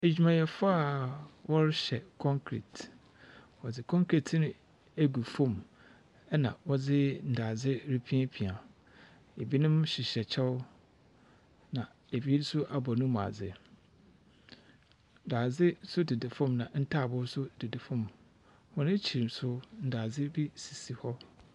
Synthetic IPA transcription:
æ˨d͡ʑᶣi˨mã˨jɛ˨fa˦a˨wʔɔ˦ɾɕɛ˨kʰɔ̃˦ŋkʰɾḭ˨t | wɔ˨d͡zɪ˨kʰɔ̃˦ŋkʰɾi˨tʰnʊ̃˦ | æ˦ɡu˨fõ˦˨m | ɛ˦nã̰˨wɔ˦d͡zɪ˦n̩˨daː˨d͡zɪ˦ɾi˦pʰĩ˦pʰi˨a˨ | e˨bi˦nʊ̃˦mɕɪ˨ɕɛ˨t͡ɕʰɛ˦ʊ˦ | nã˨ | e˨bi˦dsʊ˦ʔa˨bɔ˨nʊ̃˦m̃˨a̰˨d͡zɪ˨ | n̩˨daː˨d͡zɪ˦sʊ˦dɪ˨dɪ˨fɔ̃˦˨mnã˨n̩˦tʰa˦˨bʊ˦sʊ˦d̥ɪ˨dɪ˨fʊ̃˦˨m | hɔ˦nɪ̃˦t͡ɕʰi˨ɾi˨msʊ˦n̩˨daː˨d͡zɪ˦bi˦si̥˨si˨hɔ˦

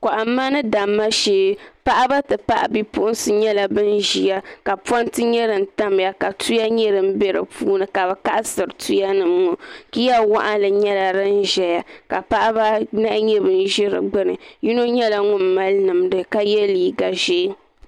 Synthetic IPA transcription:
ka˨ʔa˨˦mːa˦nɨ˦da˨mːa˦ʃeː˦pa˦ʔa˦ba˦tɨ˨pa˦ʔa̰˨bi˦pʊ˦ʔʊ˦n˦sɨ˨ɲɛ˦la˨bɨ˦nʒi˨ja˦ka˨pwa˦ntɨ˦ɲɛ˦ɾɨ˨n̩˦˨ta˦m˨ja˨ka˨tʰu˦ja˦ɲɛ˦ɾɨ˨m̩˦be˦ɾɨ̰˨pʰuː˦nɨ˨ka˨bɛ˨ka˦ʔsɨ˨ɾɨ˨tʰu˦ja˦nɨ˨mŋu˨ki˦ja˦wa̰˦ʔa˦lɨ˨ɲɛ˦la˨ɾɨ˦n̩˦ʒɛ˨ja˦ka˨pa˦ʔa˦ba˦na˦ʔɲɛ˦bɨ˨n˦ʒɪ˦ɾɨ̰˨ɡ͡bɨ˦nɨ̰˨ji˦no˦ɲɛ˦la˨ŋʊ˦mː˨a˦lnɨ˨mdɨ˦ka˦jɛ˦liː˨ɡa˨ʒeː˦

